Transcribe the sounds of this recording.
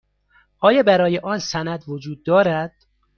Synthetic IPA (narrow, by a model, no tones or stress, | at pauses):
ʔɒːjɒːbæɾɒːjeʔɒːnsænæd̪vod͡ʒuːd̪̚ːɒːɾæd̪̥